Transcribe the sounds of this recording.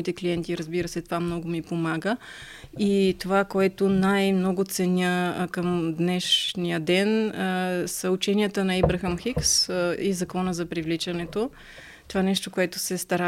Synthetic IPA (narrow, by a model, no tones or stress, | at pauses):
it̪ɛkliɛnt̪iɾəzbiɾəsɛt̪ovamnɔɡʊmipomaɡə | it̪ovakoɛt̪onajmnɔɡʊt̪sɛnʲəkəmd̪nɛʃnijəd̪ɛn | səut͡ʃɛnijət̪ənɐibɾɐxɐmxiksizɐkɔnəzɐpɾivlit͡ʃɐnɛt̪o | t̪ovanɛʃt̪okoɛt̪osɛst̪ɐɾa